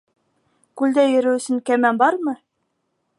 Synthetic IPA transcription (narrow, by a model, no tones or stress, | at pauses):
kʉld̪æjɵ̆ɾɘwɵ̆sɘŋkæmænbɑɾmɤ